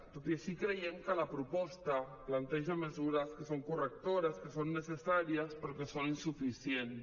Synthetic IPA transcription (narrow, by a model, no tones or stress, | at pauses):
p̪ot̪esikɾejeŋkəlapɾupɔst̪a | plant̪eʒamezuɾaskesoŋkurek̚t̪oɾaskesonːesesaɾjaspeɾokesoninsufisjen